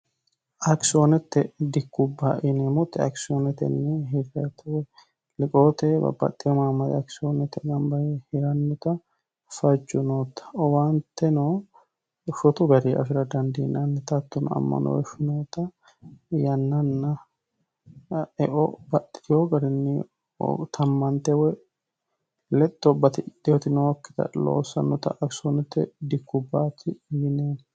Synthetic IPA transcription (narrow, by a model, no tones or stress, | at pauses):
ʔɐksoːnɛt̪ːɛd̪ɪkːʊbːaʔɪnɛmɔt̪ːɛɐ̰ksoːnɛt̪ɛ̰nːɪɦɪɾɛt̪ʰʊwɛ | lɪkʼo̞ːt̪ɛbɐ̰bɐ̰t̪ʼːɪjɔmamːɐt̪ɛ̰ɐksoːnɛt̪ːɛɡɐmbɐjɛhɪɾɐnːʊt̪ɐ | fɐd͡ʒːʊnoːt̪ːɐ̥ɔwaːnt̪ːɛno | ʃɔt̪ʊɡɐɾiɐ̰fɪɾɐd̪ɐnd̪ḭːnɐnːɛt̪ɐt̪ːʊnɐ̰mːɐ̰nɔ̰wɛʃʊnoːt̪ɐ | jɐnːɐnːɐ | ɛʔɔbɐt̪ːɪ̥t̪ɪjoɡɐɾɪnːɪ̰ | t̪ʰɐmːɐnt̪ɛwɛ | lɛt̪ʼːɔbɐt̪ɪd̪ɪɔt̪ɪnɔwkːɪ̥t̪ɐ̰lo̰ːsːɐ̰nːɔt̪ɐ̰ʔɐksɔnɛt̪ːɛ̰d̪ɪkːʊbːaːt̪ɪjɪneːn